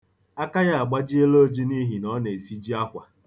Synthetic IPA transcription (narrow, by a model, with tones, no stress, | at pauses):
a˦ka˦ja˦a˨ɡ͡ba˦d͡ʒi˦e˦lo˦d͡ʒi˦ni˦ɦi˨nɔ˦ne˨i˨si˦d͡ʒi˦a˦kʷa˨